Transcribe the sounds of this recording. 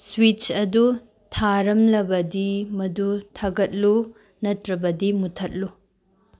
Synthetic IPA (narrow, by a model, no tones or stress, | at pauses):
swit͡ʃɐdu | tʰaɾɐmlɐbɐdimɐdutʰɐɡɐt̚lu | nɐtɾɐbɐdimutʰɐt̚lu